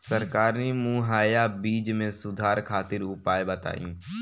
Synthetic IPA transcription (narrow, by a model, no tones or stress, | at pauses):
səɾkaːɾnemũːɦaːjaːbiːd͡ʒmẽsʊd̪ʱaːɾkʰaːt̪ɪɾʊpaːjbət̪a̰ːjṵ̃ː